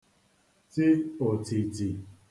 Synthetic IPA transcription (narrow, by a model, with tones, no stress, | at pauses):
tɪ˦o˨ti˨ti˨